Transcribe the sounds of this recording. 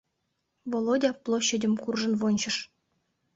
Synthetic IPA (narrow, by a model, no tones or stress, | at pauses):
volˠodʲɑplˠoɕːĕdʲɘ̆mʲkurʐɤ̆nvonʲt͡ɕɤ̆ʂ